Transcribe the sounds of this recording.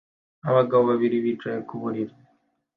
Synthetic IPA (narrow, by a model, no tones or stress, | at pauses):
aβaɡaβoβaβiɾiβiːt͡ʃɾajekuβuɾiɾa